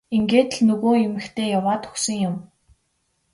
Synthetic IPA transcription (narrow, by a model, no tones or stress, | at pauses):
iŋɡeːt̪̆ɮnɵɣoːemɘ̆xt̪ʰeːjawaːt̪ɵ̥ksɵ̆ŋjʊm